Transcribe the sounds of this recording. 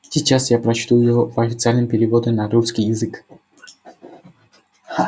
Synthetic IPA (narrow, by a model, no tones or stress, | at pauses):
sʲit͡ʃasjapɾɐt͡ʃt̪ujʊjɪɦɔpɐfʲɪt̪sɨɪalʲnɨmpʲɪɾʲɪvɔd̪ʲɛnaɾuskʲijɪzɨk